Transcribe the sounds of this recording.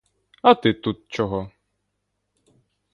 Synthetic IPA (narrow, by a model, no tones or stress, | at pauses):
ɐt̪ɪt̪ut̪̚t͡ʃɔɦɔ